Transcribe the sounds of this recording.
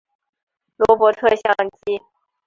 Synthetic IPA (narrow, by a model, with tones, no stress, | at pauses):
lwɔ˧˥pwɔ˧˥t̪ʰɤ˥˧ɕjɑ˥˧ŋt͡ɕi˥